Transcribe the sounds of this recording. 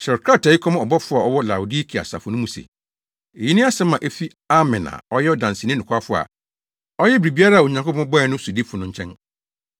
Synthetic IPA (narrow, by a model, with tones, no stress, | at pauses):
ɕɛ˨kʰɾa˦˨ta˨i˦kʰɔ̃˦mɔ˨bɔ˦fʊ˦a˨ɔ˦wɔ˦la˨ʊ˨di˦kʰi˨a̰˨sa̰˨fʊ˨nʊ̃˦mũ˨sḛ˨ | e˨ji˦nɪ̃˦a˦sɛ̃˦mã˨ʔe˦fi˦ | a˦mɛ̃˨na̰˨ɔ˦jɛ˦ɔ˦dã˨n˨sɪ˨nɪ̃˦nʊ̃˨kʰʷa˦fʊ˦a̰˨ | ɔ˦jɛ˦bɾi˨bi˦a˦ɾa˦˨o˨ɲã˨ŋ˨kʰo˦pʰɔ̃˦ɔ˦bɔ˦ɛ˨nʊ̃˦su˨di˦fʊ˨nʊ̃˦ɲ̩˦t͡ɕʰɛ̃˦n